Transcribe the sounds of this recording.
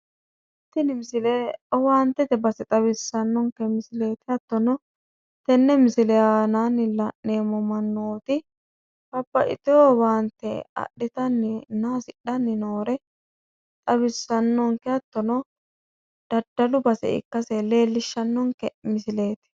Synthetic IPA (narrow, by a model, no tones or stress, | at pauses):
h | ɪt̪ːɪnɪmɪsɪleɔwaːnt̪ːɛt̪ɛbɐsɛt̪ʼɐβɪsːɐnːɔŋkɛmɪsɪle̞ːt̪ɪɐt̪ːɔnɔ | t̪ɛnːɛmɪsɪlɛaːnanɪlɐʔneːmɔmɐnːoːt̪ɪ | kɐbːɐʔɪ̰t̪ɪowaːnt̪ːɛ̰ɐ̰ɗːɪt̪ɐnːɪnaːsɪɗɐnːɪnoːɾɛ | t̪ʼɐβɪsːɐnːɔŋkɛɐt̪ːɔnɔ | d̪̥ɐd̪ɐlʊbɐsɛ̰ɪ̰kːɐsɛle̞ːlːɪʃːɐnːɔŋkɛmɪsɪle̞ːt̪ɪ̥